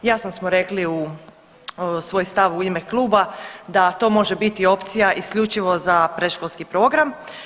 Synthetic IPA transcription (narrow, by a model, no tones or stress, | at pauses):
jasnosmoɾe̞kliu | sʋo̞jst̪aʋuimeklˠuːbad̪at̪o̞ːmo̞ʒebit̪io̞pt̪sijaʔiskʎut͡ʃiʋo̞zapɾeʃkolˠskipɾo̞ːɡɾam